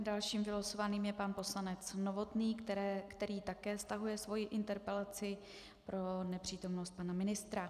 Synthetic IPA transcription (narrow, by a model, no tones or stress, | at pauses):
dalʃiːmvɪlosovaniːmjɛpanpo̞slanɛt͡sno̞vo̞t̪niːkkt̪ɛɾiːt̪akɛːst̪aɦujɛsvo̞jɪʔɪnt̪ɛɾpɛlat͡sɪ | pɾo̞nɛpr̝̥iːt̪o̞mno̞st̪̚panamɪnɪst̪ɾa